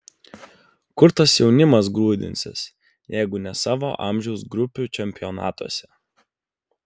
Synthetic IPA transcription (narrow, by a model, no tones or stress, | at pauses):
kʊɾt̪ɐsjɛʊnʲɪmɐs̬ɡlˠuːd̪ʲɪ̰nʲsʲɪ̰s | jɛɪɡʊnʲɛsɑːʋo̰ːʔɑ̰mʲʒʲɛʊsɡɾʊpʲuˑt͡ʃʲɛmʲpʲɪjɔnɑ̰ːt̪uɔsʲɛ